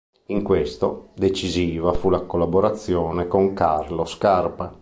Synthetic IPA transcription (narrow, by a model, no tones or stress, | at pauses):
iŋkwest̪od̪et͡ʃiziːvafulakolːaboɾat̪sːjɔːnekoŋkarloskarpa